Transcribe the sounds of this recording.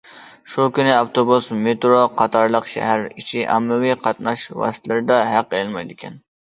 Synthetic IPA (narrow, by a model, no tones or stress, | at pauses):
ʃukʲynɪɑft̪obusmet̪ɾoqʰɑt̪ʰɑɾlˠəqʃæ̰ɦæɾit͡ʃʰiʔɑ̰mːɪwiqʰɑt̪̚nɑʃwɑ̰st̪ʰlɪɾɪd̪ɛɦæqːelɪlmɑjd̪ɪkʲʰɛn